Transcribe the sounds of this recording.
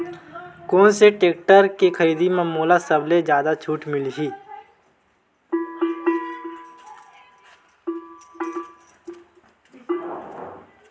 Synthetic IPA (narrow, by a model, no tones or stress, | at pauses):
koːnseʈeːk̚ʈəɾkikʰəɾiːd̪imẽmoːlasəbled͡ʒjaːd̪at͡ʃʰuːʈmɪliɦiː